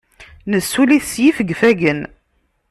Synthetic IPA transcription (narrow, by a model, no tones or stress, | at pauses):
nəsːuliθsjifəɡfæɡən